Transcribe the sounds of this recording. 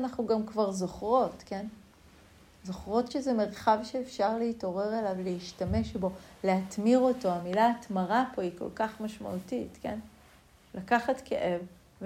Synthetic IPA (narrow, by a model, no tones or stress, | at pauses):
anaχnuɡamkvaʁzo̞χʁo̞tke̞n | zo̞χʁo̞tʃezeme̞ʁχavʃeːfʃaʁleito̞ʁe̞ʁelavleiʃtame̞ʃbo̞leatmiʁo̞to̞amilatmaʁapo̞iko̞̰lkaχmaʃma̰ʔutitke̞̰n | lakaχatkḛʔev | v